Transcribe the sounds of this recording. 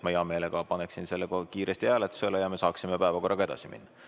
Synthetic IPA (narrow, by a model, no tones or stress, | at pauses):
mɑiɑme̞ːle̞kɑpɑneksinse̞lːekokiːɾʔest̪ihæːlet̪ːˑu̥selːejɑme̞sɑːksimepæevɑko̞rːɑkɑe̞d̪ɑsimḭnːɑ